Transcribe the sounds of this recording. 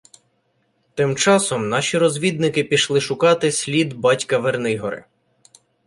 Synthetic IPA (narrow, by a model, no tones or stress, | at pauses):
t̪ɪmt͡ʃɑsɔmnɑʃʲiɾɔzʲʋʲid̪̚nɪkɪpʲiʃlˠɪʃʊkɑt̪ɪsʲlʲid̪bɑtʲkɐʋernɪjɦɔɾɪ̰